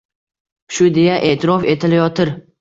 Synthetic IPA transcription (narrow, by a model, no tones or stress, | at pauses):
ʃʊd̪ejaʔe̞ʔt̪ʰɪɾɒfe̞t̪ʰɪlajɒt̪ʰɪɾ